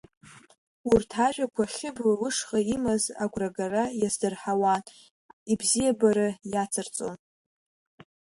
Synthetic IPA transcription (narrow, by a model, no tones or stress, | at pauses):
urtʰaʒʷᶣakʷʰaχʲɪblawɨʂχʼaimaza̰ɡʷraɡarajazdɨrħawan | ibzijabaɾɨjat͡sʰɨrt͡sʼo̰n